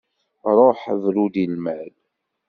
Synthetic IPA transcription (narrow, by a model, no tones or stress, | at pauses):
ɾˤoħvɾud̪ilmæl